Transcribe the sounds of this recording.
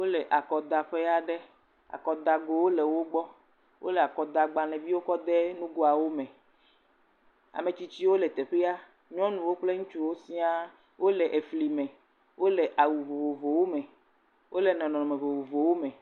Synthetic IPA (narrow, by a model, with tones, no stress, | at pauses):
wo˦lɛ˨ʔa˨kɔ˨d̪a˨ɸe˦ja˦ɖɛ˦ | a̰˨kɔ˨d̪a˨ɡo˨wo˦lɛ˨wo˦ɡ͡bɔ˦ | wʔo̰˦lɛ˨a˨kɔ˨d̪a˨ɡ͡ba˨lɛ̃˨vi˦wo˦kɔ˦d̪ɛ˦nũ˦ɡo˦a˨wo˦mɛ̃˨ | a̰˨me˨t͡ɕi˦t͡ɕi˦wo˦lɛ˨t̪ɛ˨ɸe˦a˦ | ɲɔ̃˦nũ˨wo˦k͡ple˦ŋũ˦t͡ʃu˦wo˦si˦a˦ | wo˦lɛ˨ʔe˨fli˨mɛ̃˨ | wʔo˦lɛ˨ʔa˨wu˨vo˨vo˨vo˨wo˦mɛ̃˨ | wʔo˦le˨nɔ̃˨nɔ̃˨ɔ˨me˨vo˨wo˨vo˨wo˦mɛ̃˨